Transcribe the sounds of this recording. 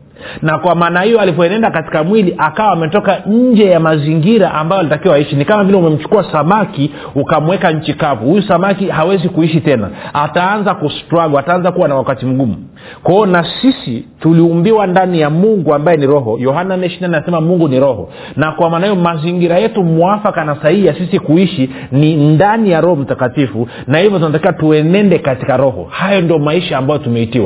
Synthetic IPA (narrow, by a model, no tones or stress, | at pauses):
nakwamaːnahijɔalivɔɛnɛndakati̥kamwiliʔakawaːmɛtɔkaɲ̩d͡ʒɛjamaziŋɡiɾaʔambajɔalitakiwaaiʃinikamavilɛumɛm̩t͡ʃu̥kuasamaki | ukamuwɛkaɲ̩t͡ʃikavuhujusamakihawɛzikuiʃitɛna̰ataanzakustwaɡwaːtaanzakuwanawakatim̩ɡumṵ | kwaɔnasisituliumbiwandanijamuŋɡuambajɛniɾɔɦɔjɔhananɛʃinaniasɛmamuŋɡuniɾɔhɔ̰ | nakuamanajɔmaziŋɡiɾajɛtumuafakanasaiijasisikuiʃi | nindanijaɾɔhɔm̩takatifu | nahivjɔt̬unatakiwatuɛnɛndɛkatikaɾɔhɔ̰hajɔndiɔmaiʃaːmbajɔtumɛitiwa